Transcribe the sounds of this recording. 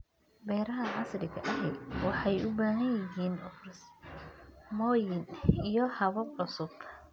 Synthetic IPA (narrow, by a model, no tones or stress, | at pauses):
bɛːɾɐɦɐʕɑslɪkʰɐʔɐɦɛwɑħɑjʊbaːɦɐnjɐɦiːnʊfrs | mɔːjɪnijɔhɐβɐbʕʊsʊb